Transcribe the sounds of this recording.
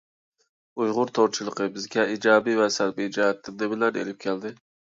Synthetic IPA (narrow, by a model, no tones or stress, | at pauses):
ujʁʊɾt̪ʰoɾt͡ʃʰilˠəqʰəbɪzɡʲɛid͡ʒɑːbivɛsæɾbid͡ʒɑɦɛt̪ʰːɪnd̪ɛbɪlæɾḛlɪp̚kʲʰɛld̪ɪ